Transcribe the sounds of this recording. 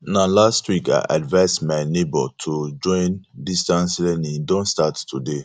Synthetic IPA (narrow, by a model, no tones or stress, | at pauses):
nalastwika̰ɪʔa̰dvaɪsmanebɔ̰tʰud͡ʒɔ̃ɪ̃ndistãnslɛnĩdõntstatːude